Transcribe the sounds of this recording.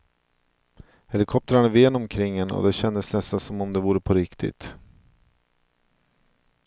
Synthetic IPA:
hɛlɪkʰɔp̚t̪ɾaɳaveːnɔmkʰɾɪŋːənɔ̰d̪ɛɕɛnd̪əsnɛst̪ansɔmɔmd̪ɛvuːɾəpʰɔɾɪkt̪ʰɪ̰t̪

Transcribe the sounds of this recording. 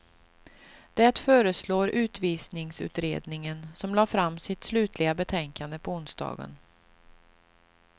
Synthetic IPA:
d̪̥ɛt̪fœːɾəsloːɾʉ̟ːt̪viːsnɪŋsʉ̟̰ːt̪ɾeːd̪nɪŋənsɔmlɑːfɾamːsɪt̪slʉ̟ːt̪ʰlɪɡabɛt̪ʰɛŋkand̪əpʰɔʊnsd̪ɑ̰ːɡə̰n

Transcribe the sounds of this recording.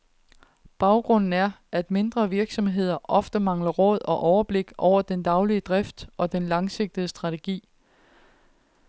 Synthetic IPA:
b̥ɑ̈ʊɡ̥ʁɔ̽n̰n̩æɐæd̥me̝nd̥ʁɐʋiɐɡ̥sɒ̽mɦe̝ð̞̰ˠɐʔɒ̽fd̥əmɑ̈ŋlɐʁɔ̽ð̞̰ˠɒ̽ʔɒʊɐb̥le̝ɡ̥ʔɒʊ̰ɐd̥end̥ɑ̈ʊliəd̥ʁɛfd̥ʔɒ̽d̥enlɑ̈ŋse̝ɡ̥̚d̥ð̩əsd̥ʁɑ̈t͡sʰe̝ɡ̥ḭː

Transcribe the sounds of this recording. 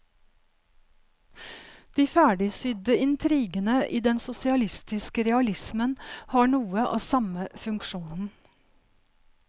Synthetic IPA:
d̪̥iːfæːɖɪsʏd̪əɪnt̪ʰɾiːɡənəʔiːd̪ɛnsʊsɪɑlɪst̪ɪskəɾɛɑlɪsmənhɑːɳuːəʔɑ̰ːsɑməfʉŋkʃuːnn̩

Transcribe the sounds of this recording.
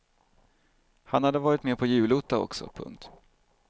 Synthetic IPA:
hanhad̪ːəvɑːɾɪt̪meːpʰɔjʉ̟ːluːt̪aɔ̰ksɔ̰pʰɵ̰ŋk̚t̪

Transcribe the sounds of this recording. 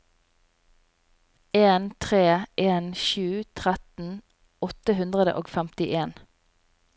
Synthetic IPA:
eːnt̪ʰʁeːʔeːnʃʉːt̪ʰʁɛt̪n̩ | ɔt̪əhʉnd̪ʁəd̪ə̰ʔoːɡfɛmt̪ɪʔeːn

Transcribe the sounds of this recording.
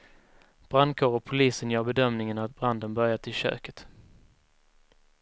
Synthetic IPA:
b̥ɾand̪̚kʰoːɾɔk̚pʰʊliːsənjœːɾbɛd̪œmnɪŋənat̪̚bɾand̪ənbœɾjat̪ʰɪlɕø̰ːkə̥t̪

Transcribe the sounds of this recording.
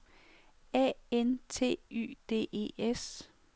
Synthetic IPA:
ɛ̰ent͡sʰe̝̰ːy̰ːd̥e̝̰ːe̝̰ːes

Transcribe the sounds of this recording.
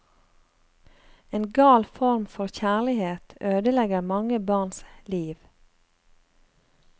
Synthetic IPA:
eːnɡɑːlfɔɾmfɔʁçæːʁlɪheːt̪øːd̪əlɛɡəmɑŋəbɑːʁnsliːʋ

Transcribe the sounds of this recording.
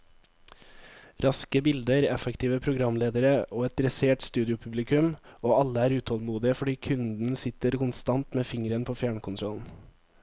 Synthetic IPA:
ɾɑskəbɪld̪əɾɛfɛkt̪ʰiːʋəpʰɾʊɡɾɑmleːd̪əɾəoːɛt̪ɾɛseːʈst̪ʉːd̪ɪʊpʰʉblɪkʉmoːɑləæːɾʉːt̪ʰhɔlmuːd̪ɪəfɔɖiːkʰʉnd̪n̩sɪt̪əɾkʰʊnst̪ɑnt̪meːfɪŋɾənpʰoːfjæːɳkʰʊnt̪ʰɾɔln̩

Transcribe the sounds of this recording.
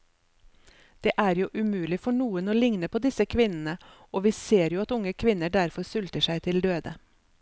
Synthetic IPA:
d̪̥eːʔæːɾjuːʔʉmʉːlɪfɔɳuːənoːlɪŋnəpʰoːd̪ɪsəkʰʋɪnn̩əʔoːʋiːseːɾjuːɑt̪ʊŋəkʰʋɪnəɖæɾfɔɾsʉlt̪əʂæɪt̪ʰɪld̪øːd̪ə

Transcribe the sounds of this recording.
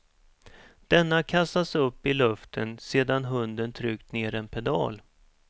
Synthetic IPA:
d̪̥ɛnːakʰast̪asɵpːɪlɵft̪ʰənseːd̪anɦɵnd̪ənt̪ʰɾʏːk̚t̪neːɾɛnpʰɛd̪ɑ̰ːl

